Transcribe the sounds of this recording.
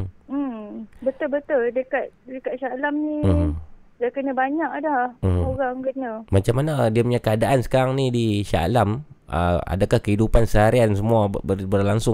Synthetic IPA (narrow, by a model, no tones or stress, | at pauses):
bət̪ʊlbət̪ʊldəkat̪̚dəkaʔ̪̚ʃalamni | dakənəbaɲak̚dahm̩oɣaŋkənəmat͡ʃamːanadiapəɲakəadaʔansə̥kaɾaŋnidiʃa̰lamə̰a̰dakahkəɦidupansəɦaɾiansəmuabəbərlaŋsʊ